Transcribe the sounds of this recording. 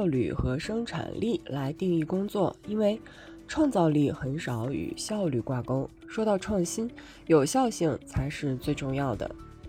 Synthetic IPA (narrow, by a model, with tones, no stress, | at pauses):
ʊly̰˨˩xɤ˧˥ʂɤ˥ŋʈ͡ʂʰa̰˨˩nlʔi˥˩la˧˥ɪt̪i˥˧ŋi˥˩kʊ˥ŋt͡swɔ˥˩i˥nwe˥˩ɪ | ʈ͡ʂʰwɑ˥˧ŋt͡sɑ˥˧ʊli˥˩xə˧˥nʂɑ˧˥ʊy̰˨˩ɕjɑ˥˧ʊly˥˩kwa˥˩kʊ˥ʊ | ʂwɔ˥t̪ɑ˥˧ʊʈ͡ʂʰwɑ˥˩ŋɕi˥n | jo˨˩ʊɕjɑ˥˧ʊɕi˥˩ŋt͡sʰa˧˥ɪʂɻ̩˥˧t͡swe˥˧ɪʈ͡ʂʊ˥˧ŋjɑ˥˩ʊd̪ə̰˩